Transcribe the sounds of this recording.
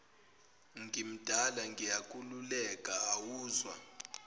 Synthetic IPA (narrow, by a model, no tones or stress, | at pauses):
ŋɡim̩d̥ʱalaŋɡijakʼululɛkʼaːwuːzwa̰